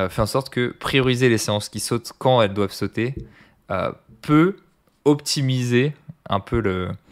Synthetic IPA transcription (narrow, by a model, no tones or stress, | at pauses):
fɛɑ̃sɔʁt̪kəpχijɔʁizeleseɑ̃skʲisɔt̪kɑ̃ɛld̪wav̥sot̪e | ø̰ | pø | ɔpt̪imizeɛ̰̃pølə